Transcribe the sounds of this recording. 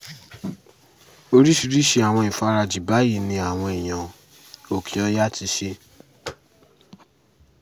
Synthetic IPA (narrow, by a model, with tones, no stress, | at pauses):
o˦˧ɾi˦ʃi˧ɾi˦ʃe˧˦a˨w̃ɔ̃˧i˨fa˧ɾa˧d͡ʒi˨ba˨˦ji˦˨nĩ˧a˨w̃ɔ̃˧e˨j̃ã˨ | o˨kʰi˨ɔ˧˦ja˦tʰi˧ʃe˧